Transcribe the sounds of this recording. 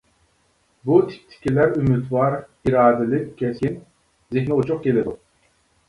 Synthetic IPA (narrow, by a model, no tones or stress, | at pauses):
but̪ʰi̥k̚ʲt̪ʰi̥kʲilæɾymyt̪vɑɾiɾɑːd̪ɪlɪkʲʰɛsʲin | zehmɛut͡ʃʰʊqkʲelɪd̪u